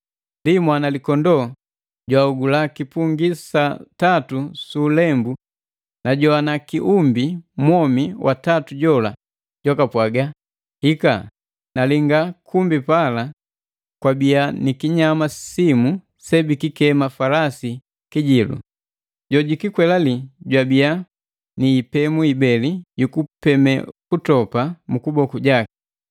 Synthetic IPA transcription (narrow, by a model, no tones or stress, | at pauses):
ndimwanalikɔndɔ | ɟwauɡulakipuŋɡisatatusuːlɛmbu | naɟɔanakiʔumbimɔmiwʔatatuɟɔla | ɟwakapwaɡa | hika̰ | naliŋɡakʰumbipala | kwabianikiɲamasimu | sɛbikikɛmafalasi | kiɟilṵ | ɟɔɟikikwɛlaliɟwabia | niːpɛmuibɛlijukupɛmɛkutɔpamukubɔkuɟaki̥